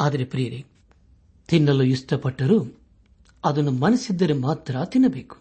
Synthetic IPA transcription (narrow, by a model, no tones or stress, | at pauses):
aːd̪ɐɾepɾijɐɾi | t̪inːɐlːujist̪ɐpɐʈːɐɾu | ɐd̪ɐnːumɐnɐsid̪ːɐɾemaːt̪ɾɐt̪inːɐbeːku̥